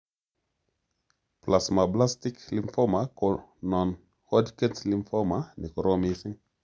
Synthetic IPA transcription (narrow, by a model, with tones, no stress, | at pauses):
pla˨sma˨bla˦st̪i˦kli˦mfo˦ma˨ko˨no˨n | ho˦dkə˦nsli˦mfo˦ma˨ni˨ko˨ɾo˦mi˨si˦ŋ